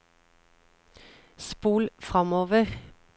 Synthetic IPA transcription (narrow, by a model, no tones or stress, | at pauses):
spuːlfʁɑmoːʋəʁ